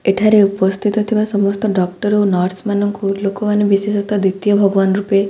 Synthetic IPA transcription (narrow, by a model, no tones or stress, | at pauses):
eʈʰaɾeupɔst̪ʰit̪ɔt̪ʰibasɔmɔst̪ɔɖɔkʈɔɾonɔɾsmanɔŋkulokɔmanebisesɔt̪ɔd̪it̪jɔbʱɔɡɔʋanɾupe